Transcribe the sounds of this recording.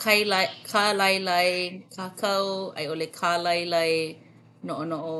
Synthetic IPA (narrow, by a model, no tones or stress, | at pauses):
kʰajkʰalɐjlɐjkʰaːkʰɐwɐ̰jolekʰalɐjlɐj | noʔonoʔo